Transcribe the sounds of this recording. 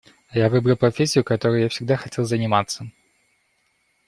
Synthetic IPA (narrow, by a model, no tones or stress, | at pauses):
javɨbɾəlˠpɾɐfʲesʲːɪjʊkɐt̪o̞ɾʊjʊjafsʲɪɡ̚d̪axɐtʲe̞lˠzənʲɪmat̪sːə